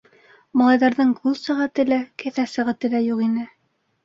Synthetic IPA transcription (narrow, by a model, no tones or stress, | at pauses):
mɑlˠɑjðɑɾðɤɴɡulˠsæʁæt̪ɘ̆lækɘ̆θæsæ̆ʁæt̪ɘ̆læjuqinɘ